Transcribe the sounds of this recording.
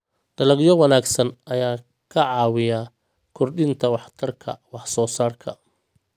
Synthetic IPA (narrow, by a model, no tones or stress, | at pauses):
d̪̥ɐlɐɡjɔwɑnaːɡsɐnʔɐjaː | kʰɐʕɑːwɪja | kʰʊrɖɪnt̪ʰɐwɑħt̪ʰɐrkʰɐ̰wɑħsɔːsaːrkʰɐ̰